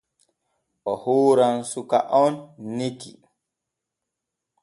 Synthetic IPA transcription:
ʔɔhoːɾansuka̰ʔɔnːekḭ

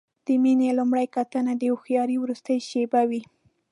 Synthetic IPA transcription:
d̪̥əminelumɽajkat̪ənad̪əuxjɑɾiwɾust̪əjʃebawi

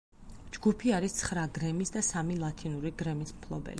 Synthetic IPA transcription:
d͡ʒɡupʰiaɾist̪sʰχɾaɡɾɛmisd̪asamilˠat̪ʰinuɾiɡɾɛmismkʰlˠɔbɛ̰li

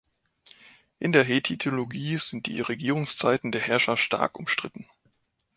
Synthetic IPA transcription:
ʔɪndeːɐɦetʰitʰeoloɡiːzɪnt̚d̥ḭːʁeɡiːʁʊŋst͡saɪtn̩deːɐhɛɐʃɐftʃta̰ɐkʔʊ̰mʃtʁ̥ɪtn̩

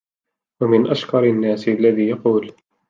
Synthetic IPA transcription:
wamɪnʔaʃkɑɾˤanːaːsalːaðiːjɑquːl

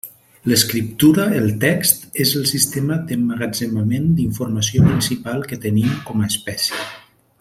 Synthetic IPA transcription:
ləskɾip̚t̪uɾəelˠt̪ɛkst̪ezəlˠsist̪eməd̪əməɣad͡ʒəməmend̪iɱfuɾməsiopɾinsipalˠkət̪ənimkɔməːspɛsjə

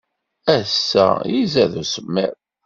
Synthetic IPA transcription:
æsːæ̰jizæðusəmːæ̰ɾ

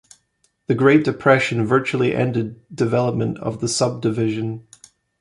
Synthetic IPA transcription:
ðɨɡɹeɪʔ̚d̥ɨpʰɹ̥ɛʃə̃nvɜ˞t͡ʃul̩ˠiʔɛ̰̃ndɪd̚dɨvɛlˠəp̚mə̃nʔə̰vðəsʌb̚dɨvɪʒə̃n

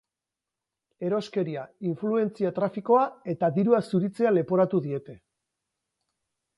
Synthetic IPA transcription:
e̞ɾo̞ske̞ɾiaiɱflue̞nt͡siat̪ɾafiko̞ae̞t̪aðiɾuasuɾit͡se̞ale̞po̞ɾat̪uðie̞t̪e̞

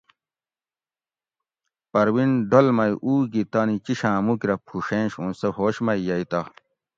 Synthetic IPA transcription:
pɐɾwinɖolmɐjʔuːɡit̪anit͡ɕiɕãːmukɾɐpʰuʂẽnɕũːsehoːɕmɐijɐit̪a

